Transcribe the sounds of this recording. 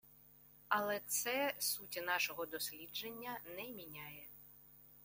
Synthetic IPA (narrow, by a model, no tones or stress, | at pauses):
ɐlˠɛt̪sɛsutʲinɑʃɔɦɔd̪ɔsʲlʲid͡ʒenʲːɐnɛmʲinʲajɛ